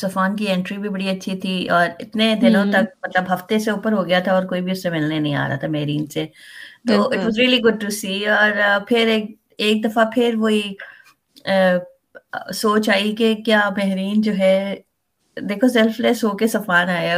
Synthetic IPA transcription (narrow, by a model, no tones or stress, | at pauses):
sɐfaːnkiɛ̃ːɳʈɾibʱibɐɽiɐtːʃʰit̪ʰiɔːɾɪt̪ned̪ɪnõt̪ɐk̚mɐt̪ləbɦɐft̪eseuːpəɾɦoːɡɐjat̪ʰaɔːɾkoːibʱiʊsːemeːlnenɐɦĩa̰ːɾa̰ːt̪ʰamɛɦɾiːnset̪oːɪʈʋɔːzɾiːəliɡʊɖ̚ʈusiːɔːɾpʰɪɾeːk | eːk̚d̪ɐfapʰɪɾʋoi | soːt͡ʃaːikekjaːmɛɦɾiːnd͡ʒoːɦɛ | d̪eːkʰosɛlflɛːsɦoːkesɐfaːnaːe